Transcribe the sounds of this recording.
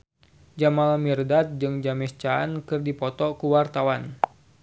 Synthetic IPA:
d͡ʒamalamirdat̪̚d͡ʒɨŋd͡ʒamɛst͡ʃa̰ːnkɨrdipɔt̪ɔkuwart̪awan

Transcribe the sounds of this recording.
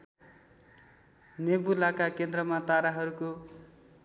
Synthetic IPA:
nebulakakend̪rʌmat̪aɾaɦʌɾuko

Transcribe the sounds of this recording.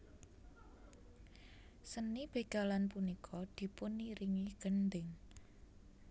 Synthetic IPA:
sənib̥e̤ɡ̥alanpunikʰɔd̪̥i̤pʊnːiɾiŋiɡ̥ənd̪ɪŋ

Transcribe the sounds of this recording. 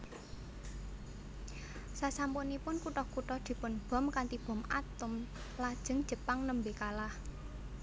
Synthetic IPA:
sasampʊnipʊnkuʈɔhkuʈɔhd̪̥i̤pʊnb̥ɔ̤mkant̪ib̥ɔ̤ma̰t̪ʊm | lad̥ʒ̥ə̤ŋd̥ʒ̥ə̤paŋnəmbekalah

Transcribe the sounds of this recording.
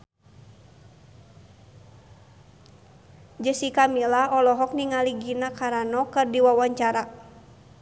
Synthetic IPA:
d͡ʒəsikamilahɔlɔɦɔk̚niŋaliɡinakaɾanɔkɨrdiwawaɲt͡ʃaɾa

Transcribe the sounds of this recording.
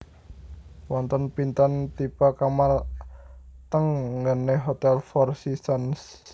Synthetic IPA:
wɔnt̪ənpint̪ant̪ipakamal | t̪əŋŋɡəneɦot̪ɛlfɔrsisəns

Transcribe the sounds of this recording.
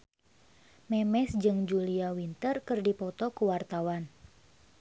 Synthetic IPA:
mɛmɛsd͡ʒɨŋd͡ʒuliawint̪ərkɨrdipɔt̪ɔkuwart̪awan

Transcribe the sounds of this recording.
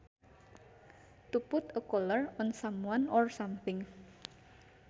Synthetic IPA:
t̪upʊt̪əkɔlərʊnsamuanɔrsampɪŋ

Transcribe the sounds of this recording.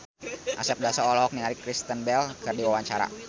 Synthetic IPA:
ʔasɛp̚dasaɔlɔk̚minaɾikɾist̪ənbɛlkərdiwawaɲt͡ʃaɾa̰

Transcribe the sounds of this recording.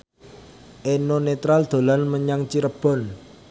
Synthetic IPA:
ʔenonet̪ɾald̪̥o̤lanməɲaŋt͡ʃiɾəb̥ɔ̤n

